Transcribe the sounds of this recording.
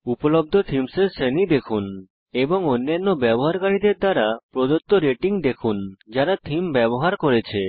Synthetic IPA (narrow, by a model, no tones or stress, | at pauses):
upolob̚d̪ʱot̪ʰimseɾsenid̪ekʰun | eboŋonːanːobɛboɦaɾkaɽid̪eɾd̪aɾapɾod̪ot̪ːoɾeʈiŋd̪ekʰund͡ʒaɾat̪ʰimbɛboɦaɾkoɾet͡ɕʰe